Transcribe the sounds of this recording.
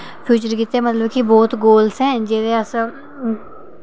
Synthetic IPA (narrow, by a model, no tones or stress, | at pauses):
pʰjuːt͡ʃəɾkit̪ːeɛ̃mət̪ləbkibɔːt̪ɡoːlsɦɛ̃ːd͡ʒeːɾeɐsə